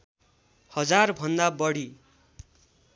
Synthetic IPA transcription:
hʌd͡zarbʱʌnd̪abʌɽi

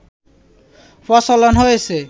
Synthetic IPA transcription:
fɔsolonɦojesʰe

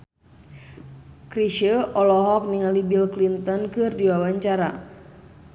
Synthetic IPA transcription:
kɾiʃəʔɔlɔɦɔk̚niŋalibilklint̪ɔnkɨrdiwawaɲt͡ʃaɾa

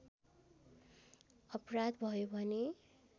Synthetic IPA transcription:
ʌprad̪bʱʌjobʱʌne

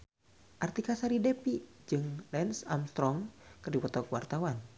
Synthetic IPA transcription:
ʔart̪ikasaɾidɛpid͡ʒɨŋlɛnsa̰mst̪ɾɔŋkɨrdiwɔt̪ɔkwart̪awan

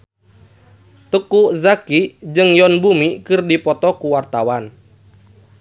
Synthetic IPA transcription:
t̪əkuzakid͡ʒɨŋjɔnbumikɨrdipɔt̪ɔkuwart̪awan

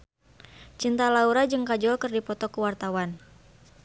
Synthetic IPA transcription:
t͡ʃint̪alauɾad͡ʒɨŋkad͡ʒɔlkɨrdipɔt̪ɔkuwart̪awan

